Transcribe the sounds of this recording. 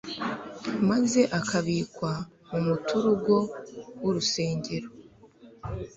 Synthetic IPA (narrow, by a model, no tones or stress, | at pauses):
maze̞ʔakaβiːkwa | mumutuɾuɡo̞wuɾuse̞ːɲɟe̞ɾo